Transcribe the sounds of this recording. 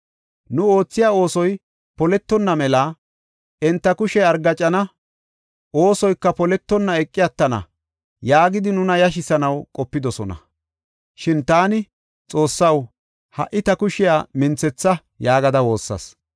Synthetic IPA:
nʊo̞ːt͡sːɪjaːo̞ːsɔj | pɔlɛt̪ːɔnːɐmɛlɐ | ɛnt̪ːɐkʊʃɛɐɾɡɐt͡ʃʼːɐnɐ | ʔo̞ːsɔjkːɐpɔlɛt̪ːɔnːɐɛkʼːɪjɐt̪ːɐnɐ̰ | jaːɡɪd̪ɪnʊnɐjɐʃ̬ɪsɐnɐwkʼɔpːɪd̪ɔsɔnɐ̰ | ʃɪnt̪aːnɪ | t͡sʼo̞ːsːɐw | hɐ̰ʔɪt̪ɐkʊʃɪjaːmɪnt͡sːɛt͡sːɐ | jaːɡɐd̪ɐwo̞ːsːɐ̰s

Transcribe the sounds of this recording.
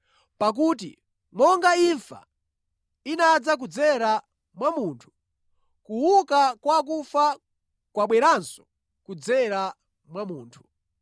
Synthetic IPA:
pak̬uːt̬ḭ | mɔŋɡaiɱfa̰ | inad͡zak̬ud͡zɛɾa | mwamuːntʰu̥ | kuwukakwak̬ufa | kwaɓwɛɾansɔ̥ | kud͡zɛɾa | mwamuːntʰu̥

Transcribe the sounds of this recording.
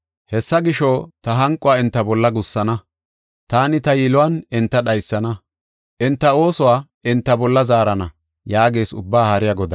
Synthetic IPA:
hɛsːɐɡɪʃoːt̪ɐɦɐŋkʼːʊwaːɪnt̪ːɐbɔlːɐɡʊsːɐnɐ | t̪aːnɪt̪ɐjɪlʊwɐnɪnt̪ːɐɗɐjsːɐnɐ | ʔɪnt̪ːɐo̞ːsʊwaː | ɪnt̪ːɐbɔlːɐzaːɾɐnɐ | jaːɡe̞ːsʊbːaːhɐɾɪjɐɡɔd̪ɐ

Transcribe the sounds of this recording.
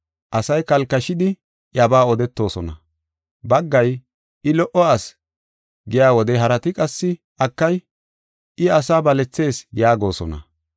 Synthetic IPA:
ʔɐsɐjkɐlkːɐʃɪd̪ɪ | ʔɐbaːɔd̪ɛt̪ːo̞ːsɔnɐ̰ | bɐɡːɐj | ʔɪlɔʔɔas | ɡɪjaːwɔd̪ɛɦɐɾɐt̪ɪkʼɐsːɪ | ʔɐkːɐj | ʔɪɐsaːbɐlɛt͡sːe̞ːsjaːɡo̞ːsɔ̰nɐ̰

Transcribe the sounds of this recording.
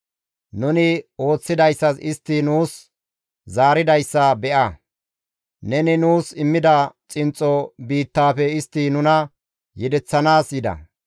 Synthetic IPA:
nʊnɪo̞ːt͡sːɪd̪ɐjsːɐsɪst̪ːɪnuːs | zaːɾɪd̪ɐjsːɐbɛʔɐ | nɛnɪnuːsɪmːɪd̪ɐt͡sʼɪnt͡sʼːɔbiːt̪ːaːfɛɪst̪ːɪnʊnɐ | jɛd̪ɛt͡sːɐnaːsjɪd̪ɐ̰

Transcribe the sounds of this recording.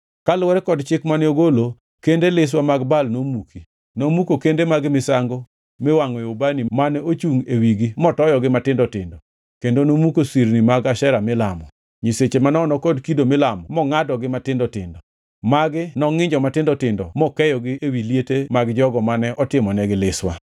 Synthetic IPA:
kalwɛɾɛkɔdt͡ʃɪkmanɛoɡolo | kendelɪs̬wamaɡbalnomuki | nomukokendemaɡɪmɪsaŋɡo | mɪwaŋɛobanimanɛot͡ʃuŋewiɡimɔtɔjɔɡɪmatɪndɔtɪ̰ndɔ | kendonomukosiɾnimaɡaʃɛɾamɪlamɔ̰ | ɲiset͡ʃemanɔnɔkɔdkidomɪlamɔmɔŋadɔɡɪmatɪndɔtɪndɔ | maɡɪnɔŋɪɲd͡ʒɔmatɪndɔtɪndɔmɔkɛjɔɡɪʔewilijetemaɡd͡ʒɔɡɔmanɛʔɔtɪmɔnɛɡɪlɪswa̰

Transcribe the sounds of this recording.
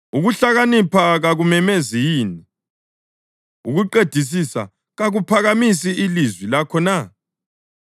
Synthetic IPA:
uɣuɬaɣanipʰaɣaɣumɛmezijiːni | uɣuǃed̥ʱis̬isa̰ | ɣaɣupʰaɣamis̬iʔilizwilakʰɔna

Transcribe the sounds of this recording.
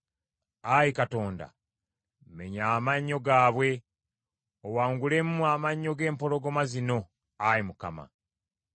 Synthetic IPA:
ajikato̞ːnda̰ | me̞̰ɲaːmaɲːo̞ɡaːβwe̞ | owaːŋɡule̞mumaːmaɲːo̞ɡe̞ːmpo̞lo̞ɡo̞mazino̞ | ajimuka̰ma̰

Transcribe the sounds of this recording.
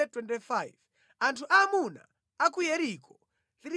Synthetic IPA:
ɛtwɛntifajv | antʰuʔamuna̰ | akujɛɾikɔ | liɾi

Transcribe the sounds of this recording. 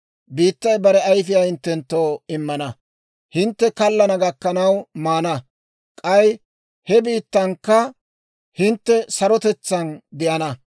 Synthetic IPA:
biːt̪ːɐjbɐɾɛɐjfɪjahɪnt̪ːɛnt̪ːo̞ːɪmːɐnɐ | hɪnt̪ːɛkɐlːɐnɐɡɐkːɐnɐwmaːnɐ | kʼɐj | hɛbiːt̪ːɐŋkːɐ | hɪnt̪ːɛsɐɾɔt̪ɛt͡sːɐnd̪ɪʔɐnɐ

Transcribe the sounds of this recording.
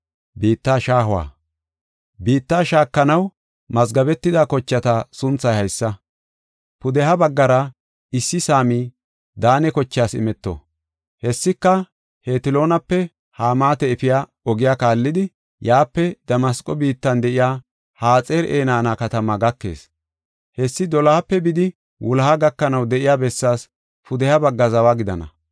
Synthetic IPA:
biːt̪ːaːʃaːɦʊwa̰ː | biːt̪ːaːʃaːkːɐnɐw | mɐzɡɐbɛt̪ːɪd̪akɔt͡ʃːɐt̪ɐsʊnt͡sːɐjhɐjsːɐ | pʊd̪ɛɦɐbɐɡːɐɾɐ | ɪsːɪsaːmiː | d̪aːnɛkɔt͡ʃːɪjaːsɪ̰mɛt̪ːɔ̰ | hɛsːɪkːɐ | heːt̪ɪlo̞ːnɐpːɛ | haːmaːt̪ɛɛfɪjaː | ɔɡɪjaːkaːlːɪd̪ɪ | jaːpːɛd̪̥ɐmɐskʼːɔbiːt̪ːɐnd̪ɛʔɪjaː | haːt͡sʼeːɾḛːnaːnaːkɐt̪ɐmaɡɐkːe̞̰ːs | hɛsːɪd̪ɔlɐhapːɛbɪd̪ɪ | wʊlɐhaɡɐkːɐnɐwd̪ɛʔɪjaːbɛsːaːs | pʊd̪ɛhɐbɐɡːɐzɐwaɡɪd̪ɐnɐ̰

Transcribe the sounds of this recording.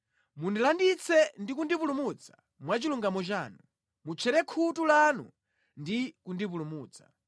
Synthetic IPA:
mundilandit͡sʰɛndikundipulumut͡sʰḁ | mwat͡ʃiluŋɡamɔt͡ʃaːnu | mut͡ʃʰɛɾɛkʰutulanṵ | ndikundipulumuːt͡sʰḁ

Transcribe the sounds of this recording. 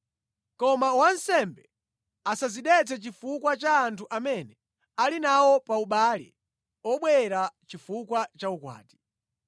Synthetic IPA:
kɔmawansɛmbɛ | asaziɗɛt͡sʰɛt͡ʃifukwat͡ʃaːntʰuʔamɛnɛ | alinawɔpauɓaːlḭ | ɔɓwɛɾat͡ʃifukwat͡ʃaukwa̰ːti̥

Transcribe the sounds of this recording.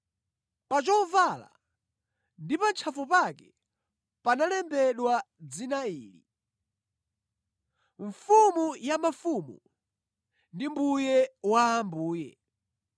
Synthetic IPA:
pat͡ʃɔvala̰ | ndipant͡ʃʰafupakɛ | panalɛmbɛɗwa | d͡zinaiːlḭ | ɱfumujamafumu | ndimbujɛwaːmbuːjɛ̰

